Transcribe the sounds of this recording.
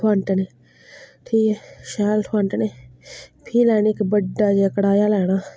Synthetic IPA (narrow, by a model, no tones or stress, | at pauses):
aːɳʈeneː | ʈʰiːkeʃaːlʈʰaːɳʈːne | pʰiːlɛːnikbəɖːaːd͡ʒeəkɽaːjaːlɛːɽaː